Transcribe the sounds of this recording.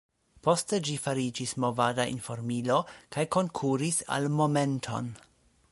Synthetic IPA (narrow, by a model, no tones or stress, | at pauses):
po̞ste̞d͡ʒifaɾid͡ʒismo̞vadaḭnfo̞ɾmilo̞kajko̞ŋkʰuɾisa̰lmo̞me̞ntʰo̞̰n